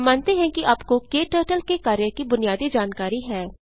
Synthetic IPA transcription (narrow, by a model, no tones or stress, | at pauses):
maːnt̪eɦɛ̃kiʔaːpkokeːʈəːʈəlkekaːɾjəkibʊnɪjaːd̪id͡ʒaːnkaːɾiɦɛː